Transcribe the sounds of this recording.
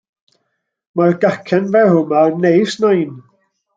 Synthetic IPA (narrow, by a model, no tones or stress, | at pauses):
marɡakʰɛnvɛhʊmanejsnɔjn